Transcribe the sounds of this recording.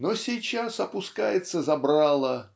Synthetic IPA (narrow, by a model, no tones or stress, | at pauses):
nosʲɪjt͡ɕasɐpʊskajɪt̪səzɐbɾalˠə